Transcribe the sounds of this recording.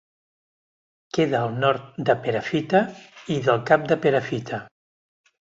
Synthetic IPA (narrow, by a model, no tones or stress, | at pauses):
keðəːlˠnɔɾt̪̚d̪əpeɾəfit̪əiðəlˠkap̚d̪əpeɾəfit̪ʰə